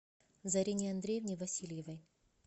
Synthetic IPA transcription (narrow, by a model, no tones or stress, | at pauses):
zɐɾʲenʲɪɐnd̪ɾʲejvnʲɪjvɐsʲilʲjɪvɐj